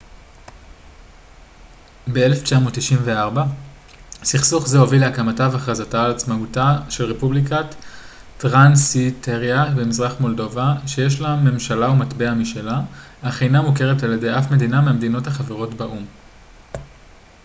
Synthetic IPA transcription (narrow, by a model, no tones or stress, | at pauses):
beeleft͡ʃamotːiʃinve̞aʁba | siχsuχzeo̞vileakamatavaχʁazataːlat͡smautaʃe̞lʁepublikat | tʁansitʰeʁjabemizʁaχmo̞ldo̞vaʃe̞jeʃlamːe̞mʃalaumatbeamiʃe̞laaχejnamuke̞ʁetaljede̞jafme̞d̪inameamed̪ino̞thaχaveʁo̞tbaʔum